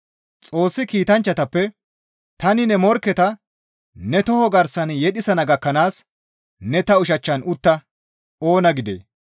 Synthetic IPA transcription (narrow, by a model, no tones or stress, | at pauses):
t͡sʼo̞ːsːɪkiːt̪ɐnt͡ʃːɐt̪ɐpːɛ | t̪ɐnɪnɛmɔɾkːɛt̪ɐ | nɛt̪ɔhɔɡɐɾsɐnjɛɗɪsɐnɐɡɐkːɐnaːs | nɛt̪ɐʊʃɐt͡ʃːɐnʊt̪ːɐ | o̞ːnɐɡɪd̪ḛː